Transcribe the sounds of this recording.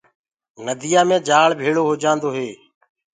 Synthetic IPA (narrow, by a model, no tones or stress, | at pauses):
nəd̪ʱijaːmẽːd͡ʒaːɭbʱeːɭoːɦoːd͡ʒãːnd̪oːɦeː